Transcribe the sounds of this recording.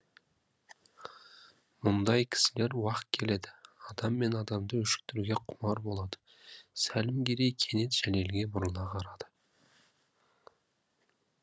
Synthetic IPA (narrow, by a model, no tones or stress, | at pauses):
mʊnd̪ɑjkʲʰɪ̥sɪle̞ɾwɑqt̪̚kʲʰe̞le̞d̪ɪɑd̪ɑmːe̞nɑd̪ɑmd̪əʏʃɪ̥k̚t̪ʰʏɾuɡʲe̞qʰʊmɑɾbo̞lˠɑd̪ə̥ | sælɪmɡʲe̞ɾe̞jkʲʰe̞ne̞t̪ʒ̥æle̞lɡʲe̞bʊɾəlˠɑqʰɑɾɑd̪̥ə